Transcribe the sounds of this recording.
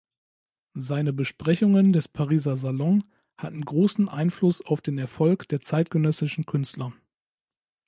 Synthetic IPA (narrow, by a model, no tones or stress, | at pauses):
zaɪnəbəʃpʁ̥ɛçʊŋəndɛspʰaʁiːzɐzalɔŋ | hatn̩ɡʁoːsn̩ʔa̰ɪnflʊsaʊfd̥eːnɛɐfɔlkd̥eːɐt͡saɪtɡ̥ənœsɪʃn̩kʰʏnstlɐ